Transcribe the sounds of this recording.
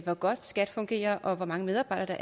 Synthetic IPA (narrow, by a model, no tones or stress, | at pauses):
ʋɒɡ̥ɒ̽d̥sɡ̥æd̥fɔ̽ŋɡ̥e̝̰ːɐʔɒ̽ʋɒ̽mɑ̈ŋəmeð̞ˠɑ̈b̥ɑ̈ɪ̰dɐd̥ɑ̈